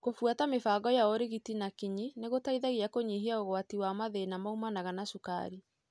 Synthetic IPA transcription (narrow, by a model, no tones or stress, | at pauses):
kofwatamefaːɣɔjaoɾeɣitinakiɲineɣotaiðaɣiakoɲiɦiaoɣwatiwamaðenamaumanaɣanasuka̰ɾi